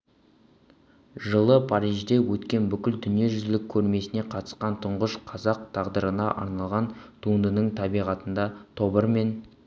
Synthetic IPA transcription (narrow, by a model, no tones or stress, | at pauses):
ʒəlˠəpʰɑɾijʒd̪e̞wɵt̪kʲe̞nbʏkʲɪld̪ʏnije̞ʒʏzɪlɪkʲʰːɵɾme̞sɪne̞qʰɑt̪ə̥sqɑnt̪ʰʊɴʁəʃqʰɑzɑq̚t̪ʰɑʁd̪əɾənɑʔɑ̰ɾnɑlˠʁɑnt̪ʰund̪ənəɴt̪ʰɑbijʁɑt̪ənd̪ɑt̪ʰo̞bəɾme̞n